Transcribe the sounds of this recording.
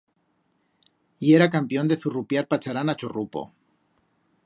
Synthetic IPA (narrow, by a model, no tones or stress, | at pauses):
ieɾakampjo̞nd̪eθurupjaɾpat͡ʃaɾanat͡ʃorupo̰